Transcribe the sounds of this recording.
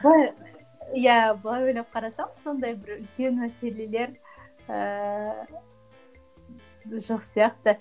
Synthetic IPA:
b̪ˠɑj | jæbəlˠɑjwɵjlɑp̚qʰɑɾɑsɑɴəz̥so̞nd̪ɑjbɪɾʏlkʲe̞nmæse̞le̞le̞ɾ | ə | ʒo̞qsijɑqt̪ə

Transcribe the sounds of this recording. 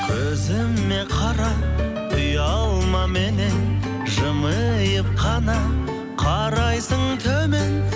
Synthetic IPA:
kʲʰɵzɪmːe̞qʰɑɾɑ | ʊjɑlˠmɑme̞ne̞n | ʒəməjəp̚qʰɑnɑ | qʰɑɾɑjsəɴt̪ʰɵmen

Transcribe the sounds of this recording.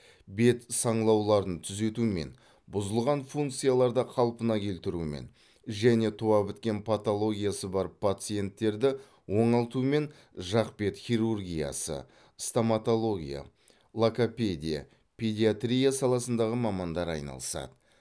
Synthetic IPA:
be̞t̪sɑɴlˠɑwlˠɑɾənt̪ʰʏze̞t̪ume̞̰n | bʊzəlˠʁɑnfuŋkt̪sɨjalˠɑɾd̪ɑqʰɑlˠpənɑkʲʰe̞lt̪ɪɾumḛn | ʒæne̞t̪ʰuɑbɪt̪kʲe̞npʰat̪o̞lˠo̞ɡʲijasəbɑɾəpʰːat̪sɨje̞nt̪ːe̞ɾd̪ɪ | wo̞ɴɑlˠt̪ume̞n | ʒɑqpe̞t̪χʲiɾurɡʲija̰sə̰ | st̪amat̪o̞lˠo̞ɡʲija̰ | lˠakopʲe̞d̪ʲija̰ | pʲʰe̞d̪ʲiat̪ɾʲijasɑlˠɑsənd̪ɑʁəmɑmɑnd̪ɑɾɑ̰jnɑ̰lˠəsɑ̰d̪ə

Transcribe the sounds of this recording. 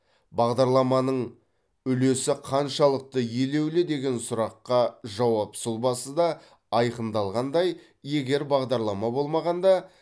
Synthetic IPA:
bɑʁd̪ɑɾlˠɑmɑnəɴ | ʏle̞sɪqʰɑnʃɑlˠəq̚t̪əje̞le̞wlɪd̪e̞ɡʲe̞nsʊɾɑqːɑʒɑwɑpsʊlˠbɑsəd̪ɑ | ɑjqənd̪ɑlˠʁɑnd̪ɑj | je̞ɡʲe̞ɾbɑʁd̪ɑɾlˠɑmɑbo̞lˠmɑʁɑnd̪ɑ

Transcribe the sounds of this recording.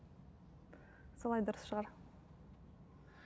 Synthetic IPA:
solˠɑjd̪ʊɾəsʃəʁɑɾ

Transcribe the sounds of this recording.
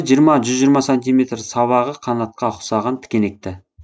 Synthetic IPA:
ʒijəɾmɑʒʏzʒijɾmɑsonʲt̪ʲijmʲe̞t̪rsɑβɑʁəqʰɑnɑt̪̚qɑχʊ̥sɑʁɑnt̪ʰɪ̥kʲene̞k̚t̪ɪ

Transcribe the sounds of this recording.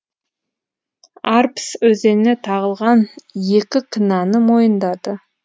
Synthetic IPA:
arpsɵze̞nnet̪ʰɑʁəlˠʁɑnje̞kʲɪkʰɪnɑnəmojənd̪ɑd̪ə

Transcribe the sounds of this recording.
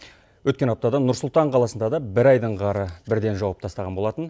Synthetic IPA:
wɵt̪kʲe̞nɑp̚t̪ɑd̪ɑnʊɾsʊlˠt̪ɑɴqʰɑlˠɑsənd̪ɑd̪ɑbɪɾɑjd̪əɴʁɑɾəbɪɾd̪e̞nʒɑwɑp̚t̪ʰɑst̪ɑʁɑnbo̞lˠɑt̪ən

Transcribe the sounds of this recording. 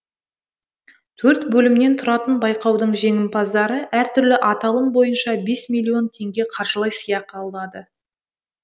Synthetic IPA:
t̪ʰɵɾt̪bɵlɪmne̞nt̪ʰʊɾɑt̪ənbɑjqɑwd̪əɴʒe̞ŋɪmpʰɑzd̪ɑɾəʔæɾt̪ʰʏɾlɪʔɑt̪ɑlˠəmbo̞jənʃɑbe̞smilʲːio̞nt̪ʰe̞ŋɡʲe̞qʰɑɾʒəlˠɑjsəjɑq̚ɑlˠd̪ɑd̪ə

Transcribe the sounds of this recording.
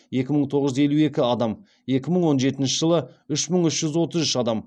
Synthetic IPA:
e̞kʲɪməɴt̪ʰo̞ʁəʒʏze̞lue̞kʲɪɑd̪ɑm | e̞kʲɪməɴwo̞nʒe̞t̪ɪnʃɪʒəlˠəʏʃməɴʏʃʒ̥ʏzwo̞t̪əzʏʃɑd̪ɑm

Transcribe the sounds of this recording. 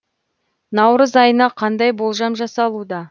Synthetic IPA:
nɑwɾəzɑjənɑqʰɑnd̪ɑjbolˠʒɑmʒɑsɑlˠud̪ɑ

